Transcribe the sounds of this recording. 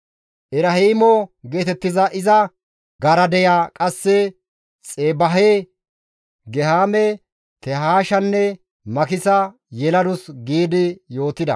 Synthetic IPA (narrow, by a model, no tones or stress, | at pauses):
ʔɪɾɐhiːmɔɡe̞ːt̪ɛt̪ːɪzɐʔɪzɐ | ɡɐɾɐd̪ɛjaːkʼɐsːɛ | t͡sʼeːbɐɦe | ɡɛhaːmɛ | t̪ɛɦaːʃɐnːɛ | mɐkɪsɐ | jɛlɐd̪ʊsɡiːd̪ɪjo̞ːt̪ɪd̪ɐ̰